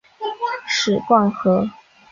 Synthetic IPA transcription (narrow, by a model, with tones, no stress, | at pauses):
ʂɻ̩˨˩kwa˥˩ŋxɤ˧˥